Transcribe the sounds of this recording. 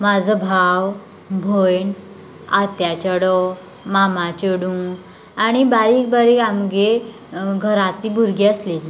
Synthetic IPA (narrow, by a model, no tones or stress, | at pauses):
mad͡zʱəbʱaw | bʱojɳ | at̪jat͡ɕəɽɔ | mamat͡ɕəɽũːɡ | aɽ̃ibaɾiːk̚baɾiːkamɡe | ɡʱəɾat̪ibuɾɡeəslel